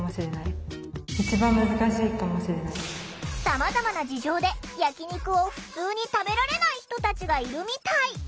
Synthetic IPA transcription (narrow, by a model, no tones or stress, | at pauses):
moɕiɾe̞nai | it͡ɕibãmːɯ̟zɨkaɕiːkamoɕiɾe̞nai | samazamanad͡ʑiʑo̞ːd̪e̞jakʲiɲ̟ikɯ̟o̞ɸɯ̟̥t͡sɨːɲ̟it̪abe̞ɾaɾe̞naiçi̥t̪o̞t̪at͡ɕiɡaiɾɯ̟mʲit̪ai